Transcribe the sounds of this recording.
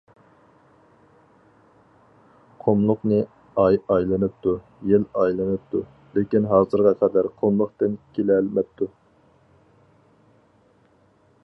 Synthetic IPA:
qʰomlˠʊqnɨ | ɑjɑjlˠɨnɨp̚t̪ʰu | jelɑjlˠɨnɨp̚t̪ʰu | lɪkʲinɦɑːzɨɾʁɑqʰæd̪æɾqʰomlˠəqt̪ɨnkʲʰelɛlmɛp̚t̪ʰːu

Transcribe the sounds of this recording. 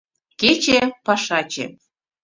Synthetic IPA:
ket͡ɕĕpɑʃɑt͡ɕḛ

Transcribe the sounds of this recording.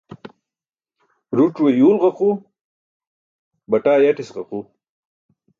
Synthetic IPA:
ɾuʈ͡ʂwejuːlʁɐqu | bɐʈaːjaʈisʁaqu

